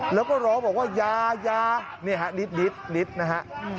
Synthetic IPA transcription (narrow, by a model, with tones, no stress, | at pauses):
lɛː˨˦˥wkɔː˥˩ɾɔː˨˦˥bɔː˨˩k̚waː˥˩jaː˧jaː˧ | ni˧˩əɦa˦˥ɗi˨˦˥t̪̚ɗi˨˦˥t̪̚ɗi˨˦˥t̪̚na˦˥ɦa˦˥ʔ